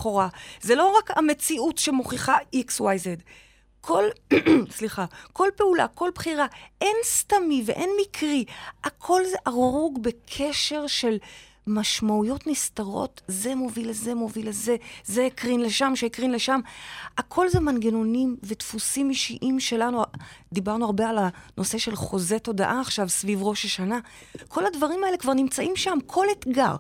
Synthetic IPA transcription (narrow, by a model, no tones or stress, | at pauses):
χoʁazelo̞ʁakame̞t͡siʔutʃemo̞χiχaikswajzed | kʰo̞lsliχako̞lpe̞ula̰ko̞lbχiʁaʔe̞nstamivḛʔe̞nmikʰʁiakʰo̞lzeʔaʁʁuɡbe̞kʰe̞ʃe̞ʁʃe̞l | maʃmaujo̞tnist̪aʁo̞̰tze̞mo̞vilezemo̞vileze̞zeːkʁinle̞ʃamʃeikʁinle̞ʃamakʰo̞lze̞manɡeno̞nimve̞tfusimiʃiʔimʃe̞lanud̪ibaʁnuaʁbe̞alanʔo̞se̞ʃe̞lχo̞ze̞to̞daʔaːχʃavsvivʁo̞ʃaʃana | kʰo̞ladvaʁimae̞lekvaʁnimt͡saʔimʃamkʰo̞letɡa̰ʁ